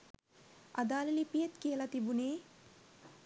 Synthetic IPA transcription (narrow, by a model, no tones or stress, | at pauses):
a̰d̪aːlelipijet̪kijəlat̪ibuneː